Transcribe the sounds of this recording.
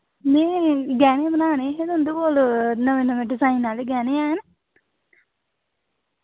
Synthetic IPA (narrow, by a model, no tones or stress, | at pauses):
neːɡɛːneːbənaːneːɦed̪ʊnd̪uboːlnəʋẽːnəmẽːɖɪzaːinːaːleɡɛːneːɛːn